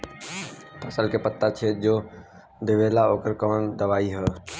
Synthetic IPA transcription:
pʰəsəlkepət̪ːat͡ʃʰed͡ʒoː | d̪ɪʋeːlaoːkəɾkɔːnd̪əʋaːiɦɛː

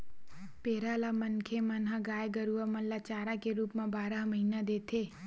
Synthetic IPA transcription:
peːɾalamənkʰemənɦaɡaːjɡəɾuəməllat͡ʃaːɾakeɾuːpmãbaːɾəɦməɦinad̪eːt̪ʰeː

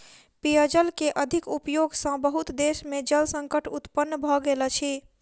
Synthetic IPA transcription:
piəd͡ʒəlkeʔəd̪ʱikupjoɡsə̃bəɦut̪d̪esmed͡ʒəlsə̃ŋkəʈʰut̪pənːbʱɔɡelɛt͡ʃʰi

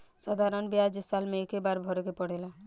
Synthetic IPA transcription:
saːd̪ʱaːɾənbjad͡ʒɪsaːlmẽekebaɾbʱɔɾkepəɽ̤ela

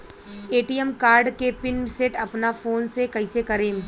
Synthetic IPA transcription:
eːʈijəmkaːɾɖkepɪnseːʈɐpnafoːnsekɐɪsekɐɾeːm

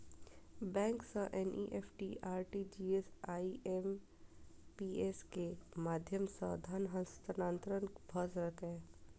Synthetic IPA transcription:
bɛ̃ːŋksɐ̃ʔɛnʔḭʔeːfʈiʔaːɾʈid͡ʒiːesaːiʔem | piːeːskemaːd̪ʱjəmsa̰d̪ʱanɦɐ̃st̪ənãːnt̪ɾənkbʱɐsɾɐkɦɛ̃

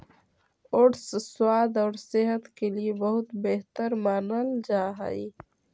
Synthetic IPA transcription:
ʊɽsswaːd̪ɔːɾseɦət̪keliebɐɦʊt̪beɦt̪əɾmaːnəld͡ʒaːɦa̰i

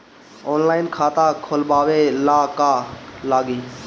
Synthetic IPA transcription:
oːnlaːɪnkʰaːt̪ãːkʰoːlbaːʋeːlaːkaːlaːɡiː

